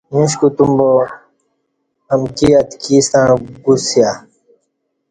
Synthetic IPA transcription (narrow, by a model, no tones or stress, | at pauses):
mĩɕ̬kut̪umbo | ɐmkiɐt̪kiːst̪ãːɡusja